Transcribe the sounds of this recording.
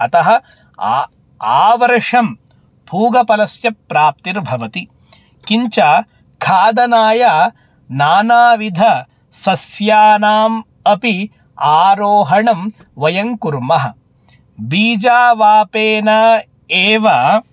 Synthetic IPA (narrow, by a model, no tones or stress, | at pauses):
ɐt̪ɐɦɐ̆ | aːʋɐɾʂɐm | bʱuːɡɐpɐlɐsjɐpːɾaːp̚t̪iɾbʱɐʋɐt̪i | kiɲt͡ʃaː | kʰaːd̪ɐnaːjaː | naːnaːʋid̪ʱɐ | sɐsjaːnaːm | ɐpi | aːɾoːɦɐɳɐm | ʋɐjɐŋkuɾmɐɦɐ̆ | biːd͡ʒaːʋaːpeːnɐ | eːʋɐ